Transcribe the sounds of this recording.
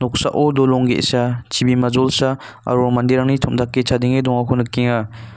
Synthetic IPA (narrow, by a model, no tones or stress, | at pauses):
nɔk̚sa̰ʔodolɔŋɡḛsat͡ʃʰibimɐzɔlsa | ɐ̰ɾomandiɾaŋnitʰɔmdakːit͡ʃʰadiŋedɔŋakʰɔnɯkːiŋa